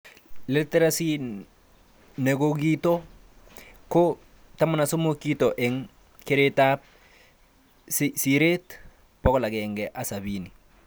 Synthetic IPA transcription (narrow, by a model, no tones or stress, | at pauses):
lɛtɛɾasi | nɛɡokitɔ | ko | tamanasomokitɔʔɛŋ | keɾetap̚ | ssiɾet | pɔkɔlakɛŋɡɛʔasaβini